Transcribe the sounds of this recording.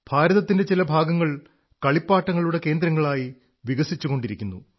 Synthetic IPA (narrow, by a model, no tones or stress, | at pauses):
bʱaːɾɐðɐt̪ːindet͡ɕilɐbʱaːɡɐŋːɐɭ | kɐɭipːaːʈːɐŋːɐɭuɽe̞ke̞ːnd̪ɾɐŋːɐɭaːji | ʋiɣɐsit͡ɕːuɣo̞ɳɖiɾikʲːunːu